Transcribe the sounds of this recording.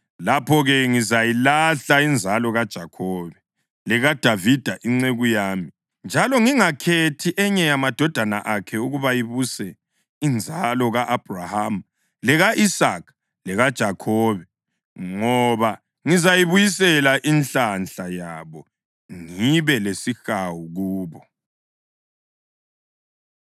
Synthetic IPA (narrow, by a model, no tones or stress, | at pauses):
lapʰɔɣɛŋizajilaɬaind͡zʱalɔɣad̥ʒ̥ʱakʰɔβɛ | lɛɣad̥ʱavid̥ʱaʔiŋ͡ǀeɣujaːmi | nd͡ʒʱalɔŋiŋakʰetʰiʔɛɲɛjamad̥ʱɔd̥ʱana̰ʔakʰɛuɣuβajiβusɛ | ind͡zʱalɔɣaʔab̥ʱraham | lɛɣaʔisak | lɛɣad̥ʒ̥ʱakʰɔːβɛ | ŋɔβa | ŋizajiβujisɛlaʔinɬt͡ɬanɬajaβɔ | ŋiβɛlesixawuɣuːβɔ